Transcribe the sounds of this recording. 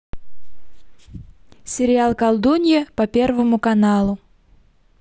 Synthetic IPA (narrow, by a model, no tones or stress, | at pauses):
sʲɪɾʲɪalˠkɐlˠd̪unʲɪjəpɐpʲe̞rvəmʊkɐnalˠʊ